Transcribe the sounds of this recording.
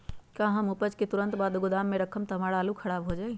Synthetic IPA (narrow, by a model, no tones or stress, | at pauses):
kãɦəmupəd͡ʒket̪uɾənt̪baːd̪ɡʊd̪amːeɾəkʰəmt̪ɦəmaɽaːlukʰəɽaːbɦod͡ʒaj